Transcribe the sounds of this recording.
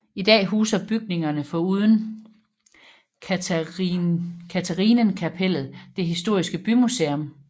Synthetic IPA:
id̥ɛ̰ːɦuːsɐb̥yɡ̥̚ne̝ŋɐnəfɒ̽uːð̞ˠn̩ | kʰæt͡sʰæʁiːnənkʰæpʰel̰ð̞̩ˠd̥e̝ɦisd̥o̝ɐ̰isɡ̥əb̥ymuseɔm

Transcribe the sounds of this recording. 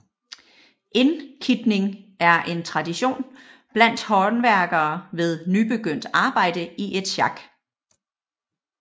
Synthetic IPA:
ʔe̝nkʰid̥ne̝ŋæɐʔe̝nt͡sʰʁɑ̈diɕo̝̰ːnb̥læn̰d̥hɒ̥n̩ʋæɐɡ̥ɐːʋe̝ð̞ˠnyb̥e̝ɡ̥øn̰d̥ɑ̈ːb̥ɑ̈ɪ̰d̥əiʔe̝d̥ɕɑ̈ɡ̥

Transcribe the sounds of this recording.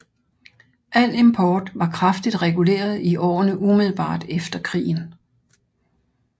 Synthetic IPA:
ʔæl̰e̝mpʰɒːd̥ʋɑ̈kʰʁɑfd̥id̥ʁɛɡ̥ule̝̰ːɐð̞ˠiʔɒ̰ːnəʔumið̞ˠl̩ˠb̥ɑ̰̈ːd̥efd̥ɐkʰʁḭːn̩

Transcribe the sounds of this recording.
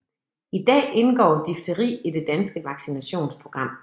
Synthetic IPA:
id̥ɛ̰ːe̝nɡ̥ɒ̰ːd̥ifd̥əʁḭːid̥e̝d̥ænsɡ̥əʋɑ̈ɡ̥sinæɕo̝̰ːnspʰʁo̝ɡ̥ʁɑ̈m̰

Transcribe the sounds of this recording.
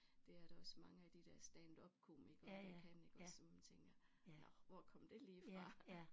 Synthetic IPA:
d̥e̝æɐɾ̥ɑɒ̽smɑ̈ŋəæd̥id̥æɐsd̥ænd̥ɒ̽b̥̚kʰo̝̰miɡ̥ɐ̥ekʰæne̝ɡ̥ɒssɒmmænt͡sʰeŋɡ̥ɐnɒʋɒkʰɒ̽m̰d̥e̝liːfʁɑ̈

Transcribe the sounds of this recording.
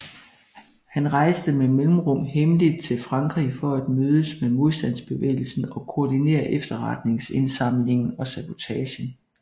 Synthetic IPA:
hænʁɑ̈ɪsd̥əmemelm̩ʁɔ̽m̰heməlid̥̚t͡sʰe̝lfʁɑ̈ŋɡ̥ʁḭfɒ̽æd̥møːðˠəsmemo̝ð̞ˠsd̥æn̰sb̥e̝ʋḛːɪl̩sn̩ɒ̽kʰo̝ːdine̝̰ːɐʔefd̥ɐʁɑd̥ne̝ŋse̝nsɑ̈m̰le̝ŋn̩ɒ̽sæb̥o̝t͡sʰɛːɕən

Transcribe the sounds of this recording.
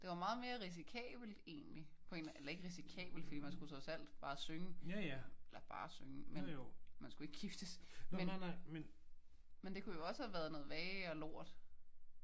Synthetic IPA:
d̥e̝ʋɑ̈mɑ̈ːð̞̩ˠme̝ːɐʁis̬ikʰɛ̰ːb̥l̩d̥e̝̰ːnlipʰɒ̽e̝ːnʔelɐe̝ɡ̥əʁisikʰɛ̰ːb̥l̩d̥fɒd̥ḭːmænsɡ̥ut͡sʰʁɒ̽sæl̰d̥b̥ɑ̈ːsøŋə | elɐb̥ɑ̈ːsøŋəmenmænsɡ̥ue̝ɡ̥ɡ̥ifd̥əsmenmen | mend̥e̝kʰujo̝ɒ̽səhæʋæɐðˠnɔ̽ːð̩ˠʋɛːɒlo̝ɐ̰d̥

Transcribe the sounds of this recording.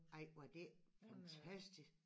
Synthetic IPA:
ɑɪʋɑd̥efænt͡sʰæsd̥is

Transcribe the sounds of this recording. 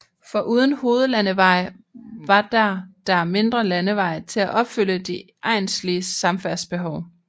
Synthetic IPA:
fɒ̽ʔuːð̞ˠən̩ho̝ːð̞ˠəlænəʋɑ̈ɪ̰ | ʋɑ̈d̥ɑd̥ɑme̝nd̥ʁɐlænəʋɑ̈ɪ̰t͡sʰe̝læʔɒ̽b̥fyl̰əd̥i | ʔɑ̈ɪ̰nsliəsɑ̈mfæɐsb̥e̝ɦɒʊ

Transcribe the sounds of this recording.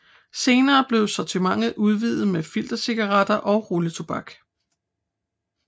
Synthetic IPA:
se̝ːnɐːb̥le̝ʊsɒt͡sʰimɑ̈ŋ̰ð̩ˠʔuð̞ˠʋiðˠð̩ˠmefil̰d̥ɐseɡ̥ɐʁɑd̥ɐʔɒ̽ʊʁulət͡sʰob̥ɑ̈ɡ̥

